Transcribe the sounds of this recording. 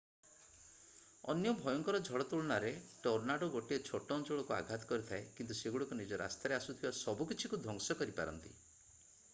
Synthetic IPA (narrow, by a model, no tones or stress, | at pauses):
ɔ̰njɔbʱɔjɔŋkɔɾɔd͡ʒʱɔɭɔt̪uɭɔnaɾeʈɔɾnaɖɔɡoʈiet͡ʃʰoʈɔnt͡ʃoɭɔkua̰ɡʱat̪ɔ̥kɔɾit̪ʰaekint̪useɡuɽɔkunid͡ʒɔɾʔa̰st̪aɾeasut̪ʰibasɔbukit͡ʃʰikud̪ʱɔŋsɔkɔɾipa̰ɾɔ̰nt̪ḭ